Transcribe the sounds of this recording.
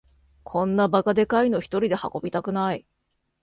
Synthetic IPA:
kʰõ̞nːabakad̪e̞kaino̞çi̥t̪o̞ɾʲid̪e̞ha̰ko̞bʲit̪akɯ̟nai

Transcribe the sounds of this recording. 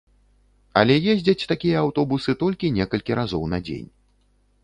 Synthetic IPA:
ɐ̰lʲɛjezʲd͡zʲɐt͡sʲt̪akʲijɐawt̪ɔbusɨt̪ɔlʲkʲinʲɛkɐlʲkʲiɾazɔwnɐd͡zʲḛnʲ

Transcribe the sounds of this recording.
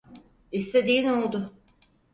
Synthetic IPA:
ist̪ʰed̪iːno̞lˠd̪ʊ

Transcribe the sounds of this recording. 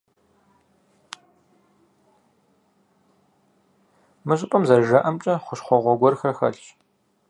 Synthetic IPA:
mɨɕʼɪpʼɐmzɐʒɐʔɐmt͡ʃʼɐχʷʊʃχʷɔʁʷɔɡʷɔrxɐrxɐ̰ɬt͡ʃ

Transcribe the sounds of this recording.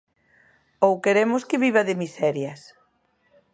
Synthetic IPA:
owkeɾemʊskɪβiβɐðɪmisɛɾjɐs

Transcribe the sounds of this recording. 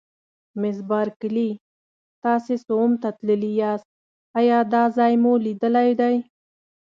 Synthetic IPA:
mɪzbɑɾkəli | t̪ɑsesomt̪at̪ləlijɑst̪̚ | ɑjɑd̪ɑzɑjmulid̪əlajd̪aj

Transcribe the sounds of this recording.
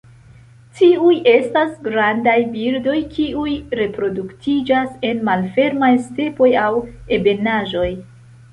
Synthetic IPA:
tiujʔe̞stasɡɾandajbiɾdo̞jkʰiujɾe̞pɾo̞duktʰid͡ʒase̞nmalfe̞ɾmajste̞po̞jawe̞be̞naʒo̞j

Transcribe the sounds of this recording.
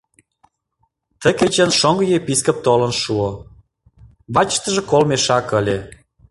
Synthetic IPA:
t̪əket͡ɕənʃoŋɡə̆jepiskə̆p̚t̪olə̆nʃuo | βɑt͡ɕʃt̪əʒĕkolmeʃɑkə̆lʲe

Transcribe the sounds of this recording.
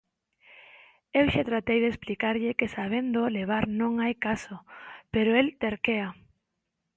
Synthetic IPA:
ewʃat̪ɾat̪ejðesplikaɾʎɪkesaβ̞end̪oleβ̞aɾnõŋajkasopeɾoelt̪eɾkea

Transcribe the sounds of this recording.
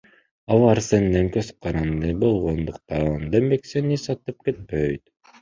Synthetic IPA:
ɑlˠɑɾsend̪eŋkøz̥qɑɾɑnd̪ɯbo̞lˠʁond̪uq̚t̪ɑnd̪emeksenisɑt̪ɯp̚ket̪̚pøjt̪

